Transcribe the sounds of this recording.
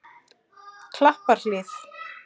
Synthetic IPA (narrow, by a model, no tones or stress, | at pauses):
kʰlahpaɾ̥lɪθ